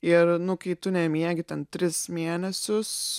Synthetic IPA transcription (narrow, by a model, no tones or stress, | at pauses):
ɪrnʊkɐɪt̪ʊnʲɛmʲiɛɡʲɪt̪ʲɛnt̪ʲɾʲɪsmʲeːnʲɛsʲʊs